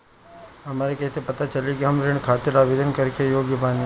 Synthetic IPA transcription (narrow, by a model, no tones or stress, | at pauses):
ɦɐmaːɾekɛːsepɐt̪at͡ʃəlikiɦɐmɾɪɳ̃kʰaːt̪ɪɾaːʋeːd̪ʱənkəɾkejoːɡjəbaːn